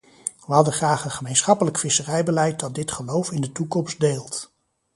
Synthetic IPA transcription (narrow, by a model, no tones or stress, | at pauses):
ʋəɦɑdəχraːχənχəmejnsχɑpələkfɪsərɛjbəlɛjt̚dɑt̚dɪtχəlowfɪndətukɔmstdeːlˠt